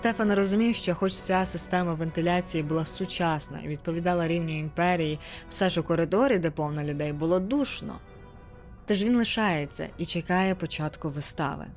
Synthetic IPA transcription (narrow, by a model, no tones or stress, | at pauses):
st̪ɛfɐnɾɔzʊmʲiwʃt͡ʃɔxɔt͡ʃt͡sʲasɪst̪ɛmɐʋent̪ɪlʲat͡sʲijibʊlˠɑsʊt͡ʃɑsnɐ̰ḭʋʲid̪̚pɔʋʲid̪ɑlˠɐɾʲiwnʲʊimpɛɾʲijiw̥sɛʒɔkɔɾɪd̪ɔɾʲid̪ɛpɔwnɔlʲʊd̪ɛjbʊlˠɔd̪uʃnɔ̰ | t̪ɛʒʋʲinlˠɪʃɑjet͡sʲːɐ̰it͡ʃekɑjɛpɔt͡ʃɑt̪kʊʋɪst̪ɑ̰ʋɪ̰